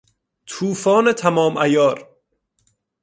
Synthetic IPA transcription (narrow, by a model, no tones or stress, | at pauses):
t̪ʰuːfɒːnet̪ʰæmɒːmʔæjɒːɾ